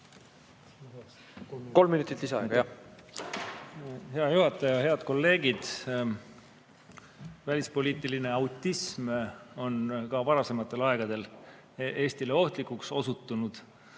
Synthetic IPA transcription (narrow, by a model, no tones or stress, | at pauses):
ko̞lmːinut̪ːˑit̪lisɑ̰ɡɑjjɑ | he̞ɑjuɦɑt̪ːˑɑjɑɦe̞ɑd̪̥̚ko̞lːe̞ːɡ̥id̪̥ | vælʲispo̞lʲiːt̪ːˑiline̞ɑwt̪ːismo̞nkɑvɑɾɑse̞mɑt̪ːˑe̞lɑe̞ɡ̥ɑd̪̥e̞l | e̞ːst̪ile̞o̞ht̪likˑːukso̞sut̪ːˑunud̪̥